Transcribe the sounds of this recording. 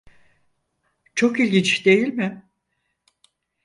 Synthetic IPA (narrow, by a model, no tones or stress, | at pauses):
t͡ʃʰo̞kilʲɟint͡ʃd̪e̞jilʲmɪ